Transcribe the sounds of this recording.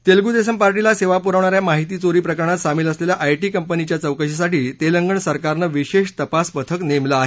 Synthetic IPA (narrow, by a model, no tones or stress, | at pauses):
t̪elɡud̪es̬əmpaɾʈilaseʋapuɾaʋɳaɾjamaɦit̪iːt͡soɾiːpɾəkəɾəɳat̪samiːləsleljaʔajʈiːkəmpənit͡ɕjat͡səwkəɕisaʈiːt̪eləŋɡəɳsəɾkaɾnəʋiɕeɕt̪əpasbət̪ʰəknemlaaɦe